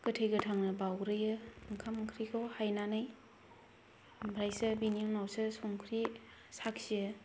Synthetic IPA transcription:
kɯtʰejɡɯtʰaŋnɯbawɾɯjɯŋkʰamŋkʰɾikʰɯwhajnanɯj | bɾajsɯbinioŋnawsɯsomkʰɾi | sakʰsiɯ

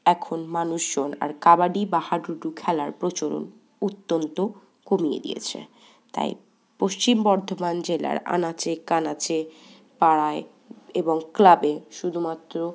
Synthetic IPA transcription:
ɛkʰonmanuʃd͡ʑona̰ɾkabaɖibahaɖuʈukʰɛlaɾpɾot͡ɕoɾo̰n | ut̪ːont̪o | komiḛd̪ḭjḛt͡ɕʰḛ | t̪a̰j | poʃt͡ɕimbɔɾd̪ʱomand͡ʑela̰ɾa̰nat͡ɕekanat͡ɕe | paɽae | eboŋklabeʃud̪ʱumat̪ːɾo

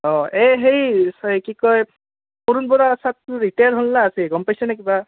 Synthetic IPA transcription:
ɔ̃ʔeɦejsɔjkikɔj | puɾunbɔɾasat̪̚ɹiʈajaɹɦulːaːsiɡɔmpajsɛnɛk̬iba

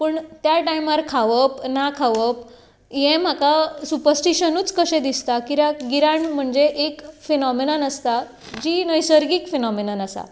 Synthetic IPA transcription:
pəɳt̪jaʈajməɾkʰaʋəpnakʰaʋəp̚ | jẽm̤akasupəɾsʈiɕənuːt͡skəɕẽd̪ist̪akiɾaɡiɾaɳm̤əɳd͡zeʔekfinɔminanəst̪a | d͡ʑinəjsəɾɡiːkfinɔminənasa̰

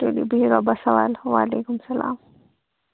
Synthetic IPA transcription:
ʈelḭbʱiiɾɔbɐsɐʋaːlwaːleːkumsɐla̰ːm

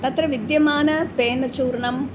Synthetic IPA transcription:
t̪ɐt̪rɐʋid̪jɐmaːnɐpeːnɐt͡ɕuːɾɳɐm

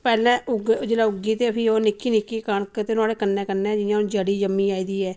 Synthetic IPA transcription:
pɛːlɛ̃ːʊɡd͡ʒelaːʊɡiːt̪eːpʰiːoːnɪkʰːiːnɪkːiːkəɳkt̪eːnaːɽeːkənːɛ̃ːkənːɛ̃ːd͡ʒɪjãːnd͡ʒəɽiːd͡ʒəmːiːaːiːd̪iːɛː

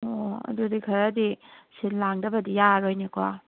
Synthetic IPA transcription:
oɐ̰dudikʰɐɾadisinlaŋdɐbɐdijaɾojneka

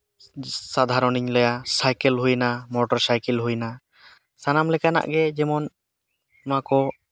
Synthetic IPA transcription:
sad̪ʱaɾɔniɲlɔjasajkɛlɦujnamɔʈɔɾsajkɛlɦujna | sanamlɛkana̰ʔɡɛd͡ʒɛmɔn | makɔ

